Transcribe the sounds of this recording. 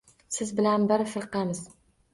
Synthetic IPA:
sɪzbɪlænbɪɾfɨɾqɑmɪz

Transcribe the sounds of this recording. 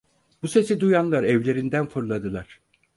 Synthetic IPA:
buse̞sid̪ujanlˠaɾɛvlʲe̞ɾind̪ænfuɾlˠad̪ɯlˠaɾ̥

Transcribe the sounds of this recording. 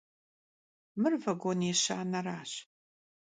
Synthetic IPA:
mɨrvɐɡʷoneɕa̰ːnɐraːɕ

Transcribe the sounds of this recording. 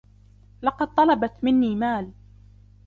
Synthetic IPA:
lɑqɑd̪̚t̪ˤɑlɑbat̪mɪnːiːmaːl

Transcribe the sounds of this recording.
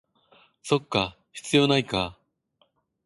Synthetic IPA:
so̞kːa | çi̥t͡sɨjo̞naika

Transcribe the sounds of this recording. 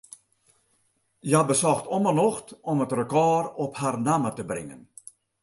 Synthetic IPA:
jabəsɔxtɔmənɔxtɔmətrəkɑːrɔpharnamətəbrɪ̰ŋə̰n

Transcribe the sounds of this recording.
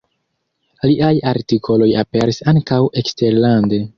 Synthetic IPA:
liʔajaɾtikʰo̞lo̞jape̞ɾisaŋkawʔe̞kste̞ɾlande̞

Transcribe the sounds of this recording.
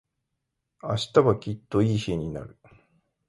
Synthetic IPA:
a̰ɕi̥t̪aβakʲit̪ːo̞iːçieɲ̟ina̰ɾɯ̟

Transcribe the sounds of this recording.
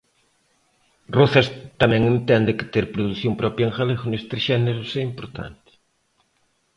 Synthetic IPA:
roθɐst̪ɐmɛ̃ŋent̪ɛnd̪ɪkɪ̥t̪eɾpɾoðuθjompɾɔpɾjɐeŋxaleɣʊnest̪ɾeʃɛneɾʊsɛimpoɾt̪ʰa̰nt̪ɪ̥

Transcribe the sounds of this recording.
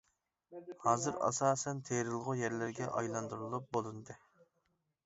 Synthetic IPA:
hɑːzɨɾɑ̰sɑːsɛnt̪ʰeɾɨlˠʁʊjɛɾlɪɾɡʲɛʔɑ̰jlˠɑnd̪uɾɨlˠup̚bolˠɨnd̪ɨ

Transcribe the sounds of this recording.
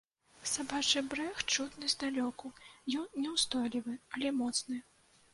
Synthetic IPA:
sabat͡ʂɨbɾɛxt͡ʂut̪nɨzʲd̪alʲɔkujɔnnʲɛwst̪ɔjlʲivɨɐlʲɛmɔt̪snɨ

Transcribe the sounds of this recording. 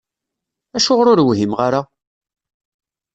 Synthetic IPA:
æʃʊʁɾʊɾwɦimʁaɾa

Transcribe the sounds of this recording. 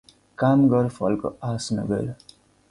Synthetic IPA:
kamɡʌɾpʰʌlko̰asnʌ̰ɡḛl

